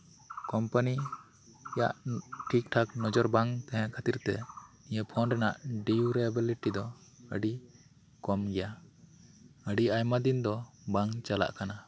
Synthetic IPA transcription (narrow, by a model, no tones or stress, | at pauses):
kɔmpani | ja̰ʔʈʰik̚ʈʰaknɔd͡ʒɔɾbaŋt̪ɛɦɛ̃ʔkʰat̪iɾt̪ɛ̰nijəpʰɔnɖɾɛnaʔɖiuɾɛbiliʈid̪ɔə̰ɖi | kɔmɡɛja | əɖiajmad̪ind̪ɔbaŋt͡ʃala̰ʔkana